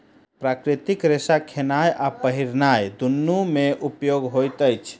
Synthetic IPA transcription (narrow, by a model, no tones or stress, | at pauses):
pɾakɾit̪ikɾesakʰenajʔapəɦiɾnajd̪unːumeʔupjoɡɦojt̪əjt͡ʃʰ